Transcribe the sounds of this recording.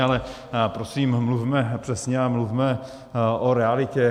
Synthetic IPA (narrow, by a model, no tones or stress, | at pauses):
alɛ | pɾo̞siːmmlufmɛpr̥ɛsɲɛamlufmɛ | ʔoɾɛalɪcɛ